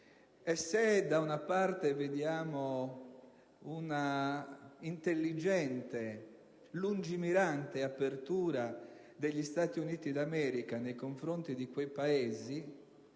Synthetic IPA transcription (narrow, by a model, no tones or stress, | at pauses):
ɛsːed̪aunapart̪eved̪jaːmo | una | int̪elːid͡ʒɛnt̪e | lund͡ʒimiɾant̪eapːert̪uːɾa | d̪eʎːist̪aːt̪iuniːt̪id̪amɛːɾikanejkoɱfɾont̪id̪ikwejpaeːzi